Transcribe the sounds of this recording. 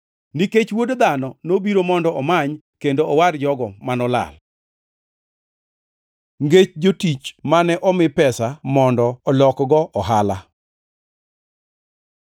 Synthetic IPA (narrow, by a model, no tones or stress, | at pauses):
niket͡ʃwodd̪anɔnobiɾomɔndɔɔmaɲkendoɔward͡ʒɔɡɔmanɔla̰l | ŋɡet͡ʃd͡ʒotit͡ʃmanɛʔɔmɪpɛsamɔndɔɔlɔkɡɔʔɔɦala